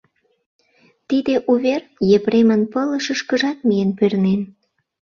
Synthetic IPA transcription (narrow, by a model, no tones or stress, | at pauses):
t̪id̪eʔuβerjepɾemənpələʃəʃkəʒɑt̪̚mijenpørnen